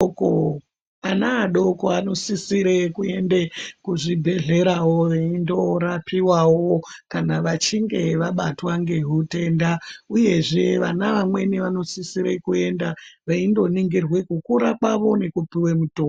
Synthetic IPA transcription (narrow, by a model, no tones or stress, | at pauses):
ko | anaːɗo̞koano̞sisiɾe̞kue̞ndekuʐibʱe̞ɮe̞ɾawo̞ʋeindo̞ɾapʰiwawokanaʋat͡ʃiŋɡe̞ʋaɓatwaŋɡe̞ɦute̞ndauje̞ʐe̞ʋanaʋamwe̞niʋano̞sisiɾe̞kue̞ndaʋeindo̞niŋɡirwe̞kukuɾakwaʋo̞ne̞kupiwe̞mutoː